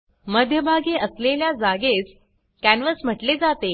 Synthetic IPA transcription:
məd̪ʱjəbʱaɡeʔəsleljad͡zaɡes | kænʋəsm̤əʈled͡zat̪e

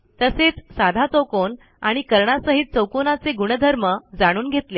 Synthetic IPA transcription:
t̪əset͡ssad̪ʱat̪owkon | aɽ̃ikəɾɳasəɦit̪̚t͡səwkonat͡seɡuɽ̃əd̪ʱəɾməd͡zaɽ̃uːnɡʱet̪le

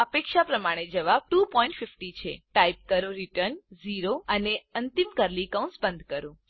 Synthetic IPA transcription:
əpekʃapɾəmaɽ̃ed͡ʒəʋab̚ʈupɔĩɳʈfɪfʈit͡ʃʰeʈaip̚kəɾoɾiʈəɾnziɾoəneənt̪imkəɾlikaũnsbənd̪ʱkəɾũ

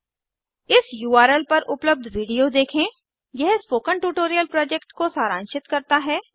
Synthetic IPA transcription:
ɪsjuːaːɾɛlpɐɾʔʊpləb̚d̪ʱʋiːɖijod̪eːkʰẽ | jɛɦspoːkə̃ɳʈuːʈoːɾijəlpɾɔːd͡ʒɛkʈkosaːɾãːnʃɪt̪kɐɾt̪aɦɛː

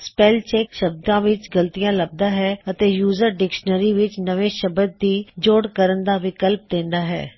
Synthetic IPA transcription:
spɛːlt͡ʃɛːkʃəb̚d̪ãːʋɪt͡ʃɡəlt̪ijãːləb̚d̪aːɦɛːət̪eːjuːzəɾɖɪkʃnəɾiːʋɪt͡ʃnəʋeːʃəbəd̪̚ːiːd͡ʒoːɽkəɾənd̪aːʋɪkəlp̚d̪ẽːnd̪aːɦɛ̰ː

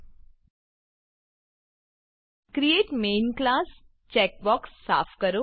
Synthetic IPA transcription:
kɾieːʈmeːnklaːs | t͡ʃɛːk̚bɔːksːa̰ːfʰkəɾo

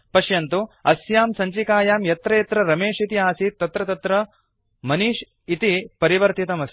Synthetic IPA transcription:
pɐʃjɐnt̪uɐsjaːmsɐɲt͡ʃikaːjaːmjɐt̪ɾɐjɐt̪ɾɐɾɐmeːʂit̪iaːsit̪ːɐt̪ɾɐt̪ɐt̪ɾɐ | mɐniʃ | it̪ipɐɾiʋɐɾt̪it̪ɐmɐs

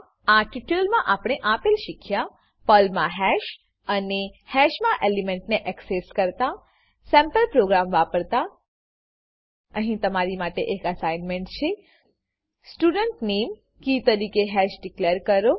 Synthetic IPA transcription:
aʈiʈəlmãʔapɽ̃ɳ̃eʔapelʃikʰja | pəlmãɦɛʃ | ənehɛʃmãʔelimeɳʈneʔɛkseskəɾt̪a | sɛ̃mpəlpɾoɡɾamʋapəɾt̪a | əɦĩt̪əmaɾimaʈeʔekəsajnmẽɳʈt͡ʃʰe | sʈuɖəɳʈnem | kit̪əɾikeɦɛʃɖikleɾkəɾo

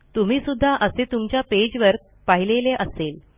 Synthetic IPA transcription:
t̪um̤iːsud̪ʱːaʔəset̪umt͡ɕjaped͡ʑʋəɾ | paɦileleʔəsel

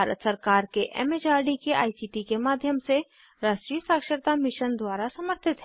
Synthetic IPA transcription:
baːɾə̰t̪səɾkaːɾkeʔɛ̰ːmed͡ʒaːɾɖikeʔa̰ːisiːʈikemaːd̪ʱjəmse | ɾaːʃʈɾiːjəsaːkʃəɾt̪amɪʃənd̪waːɾasɐməɾt̪ʰɪt̪ɦɛ

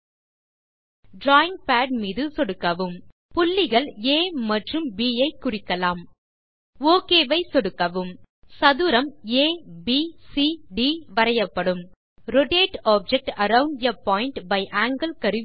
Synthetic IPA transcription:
ɖɾaːɪ̃ŋpaːɖ̚miːðɯsɔɽɯkːɐʋɯm | pʊlːɪɣɐɭeːmɐʈrɯmbiːɐɪkːʊrɪkːɐlaːm | oːkeːʋɐɪsɔɽɯkːɐʋɯm | sɐðɯɾɐmeːbiːsiɖiːʋɐɾɐjɐpːɐɽɯm | ɾɔʈeːʈaːb̚d͡ʒɛk̚ʈɐɾɐʊ̃ɳɖjɐpɔːɪɳʈbɐɪʔaːŋɡɐlkɐɾɯ

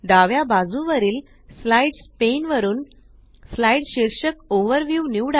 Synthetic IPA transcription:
ɖ̪aʋjabad͡zũʋəɾiːl | slaiɖspenʋəɾuːn | slaiɖɕiɾɕəkoʋəɾʋjunjuɽa

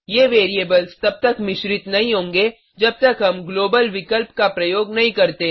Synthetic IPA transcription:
jeːʋeːɾieːbəlst̪ɐb̚t̪ɐkmɪʃɾɪt̪nɐɦĩɦõːŋɡe | d͡ʒɐb̚t̪ɐkɦɐmɡloːbəlʋɪkəlpkapɾɐjoːɡnɐɦĩkɐɾt̪e

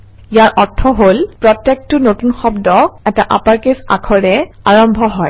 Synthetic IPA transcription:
ijaɹʔɔtʰɔɦolpɹɔtːek̚tʊnotunxɔbdɔɛtaʔapaɹkesa̰kʰɔɹɛ | aɹɔmbʱɔɦɔj

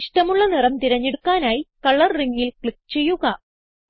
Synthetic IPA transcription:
ʂʈɐmuɭːɐnirɐmt̪iɾɐɲːe̞ɽukːaːnaːjikɐɭːɐrriŋːilkɭikːt͡ɕe̞jːuɣɐ

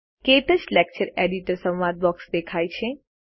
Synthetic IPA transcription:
ket̪ət͡ʃlɛk̚t͡ʃəɾeɖiʈəɾsə̃wʋad̪̚bɔksd̪ekʰajt͡ʃʰe

